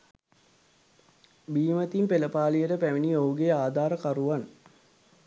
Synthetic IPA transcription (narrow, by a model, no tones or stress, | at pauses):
biːmət̪impeləpaːlijəʈəpæʋiniouɡejaːd̪ʱaːɾəkaɾuʋan